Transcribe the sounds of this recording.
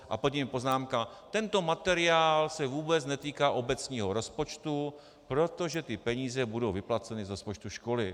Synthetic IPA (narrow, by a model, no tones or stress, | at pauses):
ʔa̰pocimɪpo̞znaːmka | t̪ɛnt̪o̞mat̪ɛɾɪaːlsɛvuːbɛt͡snɛt̪iːkaːʔo̞bɛt͡sɲiːɦo̞ɾo̞spo̞t͡ʃt̪u | pɾo̞t̪o̞ʒɛt̪ɪpɛɲiːzɛbudo̞wvɪplat͡sɛnɪzɾospo̞t͡ʃt̪uʃko̞lɪ